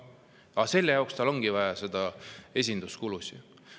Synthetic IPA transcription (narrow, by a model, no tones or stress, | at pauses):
ɑse̞lːejɑˑwkst̪ɑlo̞ŋɡ̥ivɑjɑse̞d̪̥ɑe̞sʲind̪̥uskulusi